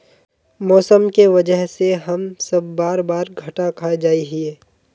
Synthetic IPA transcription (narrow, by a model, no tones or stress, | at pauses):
mɔːsəmkeʋɐd͡ʒəɦseɦɐmsɐbːaːɾbaːɾɡʱɐʈakʰaːed͡ʒaːiɦieː